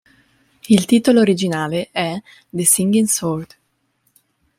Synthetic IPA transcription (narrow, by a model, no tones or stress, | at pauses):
ilt̪iːt̪oloːɾid͡ʒinaːleʔɛ | d̪esiŋɡinsoɾd̪